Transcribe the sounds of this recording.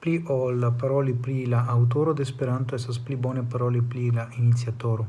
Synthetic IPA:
pliʔɔlapaɾɔliplilaːwt̪̬oːɾod̪espeɾant̪oɛsasplibɔnepaɾɔːliplilainit̪sjat̪oːɾo

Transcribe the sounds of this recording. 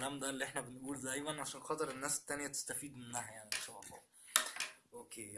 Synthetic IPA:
læːmd̪æːlːiʔeħnæbenʔuːld̪æːjmænʕaʃæːnxɑːt̪ˤeɾˤenːæːse̥t̪ːænejæt̪e̥st̪æfiːd̪menːæːhæjaʕniʃæwɑfɑ̰ː | ʔoːkeː

